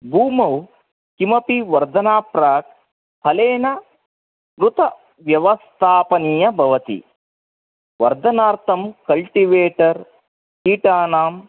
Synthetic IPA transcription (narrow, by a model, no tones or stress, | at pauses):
bʱuːmɐw | kimɐpiʋɐɾd̪ɐnaːpɾaːk̚ | pɐleːnɐ | ɾut̪ɐ | ʋjɐʋɐst̪ʰaːpɐniːjɐbʱɐʋɐt̪ḭ | ʋɐɾd̪ʱɐnaːɾt̪ʰɐmkɐlʈiʋeːʈɐɾ | kiːʈaːnaːm